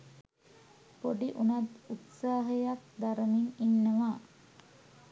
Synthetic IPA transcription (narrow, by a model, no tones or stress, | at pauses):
poɖiʔunat̪ut̪saːɦəjak̚d̪aɾəmiŋinːəʋa